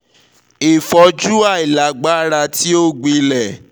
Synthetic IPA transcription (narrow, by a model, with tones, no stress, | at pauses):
i˨fɔ˧d͡ʒu˦a˦˨i˨la˨˦ɡ͡ba˦ɾa˧ti˦o˦˨ɡ͡bi˧˦lɛ˨